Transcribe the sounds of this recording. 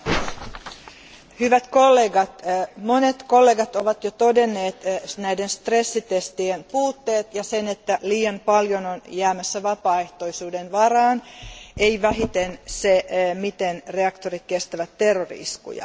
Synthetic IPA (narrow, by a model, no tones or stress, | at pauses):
hyʋæt̪kolːeːɡɑt̪monet̪ko̞lːeːɡɑt̪oʋɑt̪jot̪o̞de̞nːe̞ːt̪næidenst̪re̞sːit̪est̪ienpuːt̪ːe̞ːt̪jɑsenet̪ːæliːjɑmpɑljononjæːmæsːæʋɑpɑːe̞ht̪o̞isuːdenʋɑrɑːnejʋæɦit̪ensemit̪enre̞ɑkt̪oɾit̪̚kest̪æʋæt̪ːerːorḭskṵjɑ̰